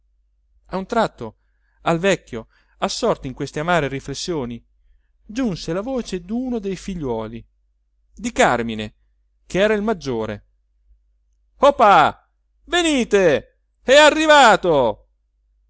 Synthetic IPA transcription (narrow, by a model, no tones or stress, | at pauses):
aunt̪ɾat̪ːo | alvɛkːjo | asːɔrt̪oiŋkwest̪eamaːɾeriflesːjoːni | d͡ʒunselavoːt͡ʃed̪uːnod̪ejfiʎːwɔːli | d̪ikarmine | keɛːɾailmad͡ʒːoːɾḛ | hopːa | veniːt̪e | ɛarːivaːt̪o